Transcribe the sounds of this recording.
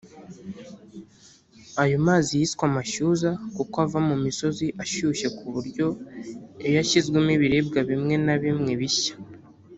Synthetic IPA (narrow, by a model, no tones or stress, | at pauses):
ajomaːzijiskwamaʃuːzakukoavamumiso̞ziʔaʃuːʃe̞kuβuɾɟo̞ | ejaʃizɡwemiβiɾeːb̚ɡaβimŋe̞naβimŋe̞βiçḁ